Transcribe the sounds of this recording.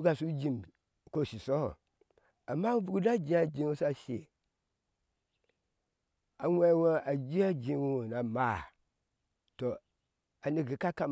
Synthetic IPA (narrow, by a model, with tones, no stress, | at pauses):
ɡa˨su˦d͡ʒĩ˦˨m˨ | ko˦˨si˨sɔ˦˨ | a˨ma˦vu˦˨u˦da˦d͡ʒi˦a˨d͡ʒĩ˦wo˦sa˦ʃe˨ | a˨wʷɛ˦˨wa˦a˨d͡ʒi˦a˦d͡ʒĩ˦wu˦o˨na˨ma˦˨ | to˨ | a˨ni˨ɡi˨˦ka˦ka˦m